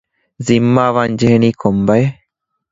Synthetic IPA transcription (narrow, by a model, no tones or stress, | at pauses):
zimːaːʋaːnd͡ʒeɦeniːkʰombɐje